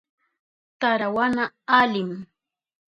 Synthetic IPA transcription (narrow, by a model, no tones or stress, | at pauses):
t̪aɾawanaːlɪm